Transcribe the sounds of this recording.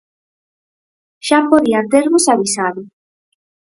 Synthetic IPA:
ʃapoðiant̪eɾβosaβisaðʊ

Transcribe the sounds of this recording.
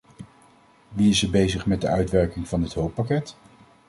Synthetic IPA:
ʋiɪsəɹbejzəχmɛd̚dəœɥtʋɛɹkɪŋv̥ɑnɪtɦowpɑkɛt

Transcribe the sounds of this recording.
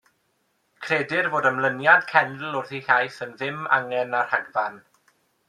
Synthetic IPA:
kʰreːdɪrvoːdəmlˠənjad̥kʰɛndl̩ˠʊrθiɬajθənðɪma̰ŋɛnar̥haɡvan

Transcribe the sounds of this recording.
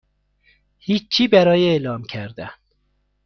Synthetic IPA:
hiːt͡ʃʰːiːbæɾɒːjeːlɒːmcʰæɾd̪ænd̪̥

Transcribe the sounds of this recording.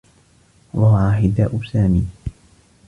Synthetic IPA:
wahʕahɪd̪aːʔʊsaːmiː

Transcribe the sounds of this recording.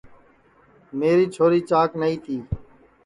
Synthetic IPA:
meːɾiːt͡ʃʰoːɾiːt͡ʃaːknəĩːt̪ʰiː

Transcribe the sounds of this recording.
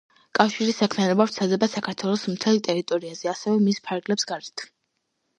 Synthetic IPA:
kʼafʃiɾisːakʰmianɔbavɾt̪sʰad̪ɛbasakʰaɾt̪ʰwɛlˠɔsmt̪ʰɛlˠt̪ʼɛɾit̪ʼɔɾiazɛasɛvɛmispʰaɾɡlɛpsɡaɾt̪ʰ

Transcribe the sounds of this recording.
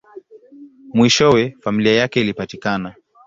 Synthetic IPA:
mwiʃɔwɛfamiliajakɛilipatikana

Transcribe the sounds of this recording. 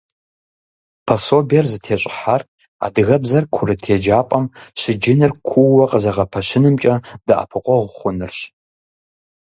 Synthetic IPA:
pʰɐsobjɛrzɨtʰeːɕʼɪ̥ħar | a̰dɨɣɐbzɐrkʷʰʊrɨtʰeːd͡ʒaːpʼɐmɕɪd͡ʒɪnɨrkʷʰʊːɐqʼəzɐʁɐpʰɐɕɪnɨmt͡ʃʼɐd̥ɨʔa̰pʰɨqʷʼɔʁʷʊχʷʊnɨrɕ

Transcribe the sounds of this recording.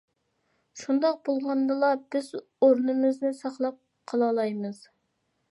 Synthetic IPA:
ʃund̪ɑq̚bolˠʁɑnd̪ɨlˠɑb̥ɪz | oɾnɨmɪznɪsɑχlˠɑp̚ | qʰɑlˠɑlˠɑjmɨz̥

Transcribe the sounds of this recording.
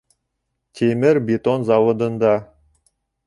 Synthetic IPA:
t̪ʲʰemɘɾbʲet̪onzɑwŏd̪ɤ̆nd̪ɑ

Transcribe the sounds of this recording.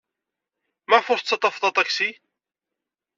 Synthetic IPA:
mæfʊɾθt͡sːɑt̪ˤɑfðˤɑt̪ˤɑksi

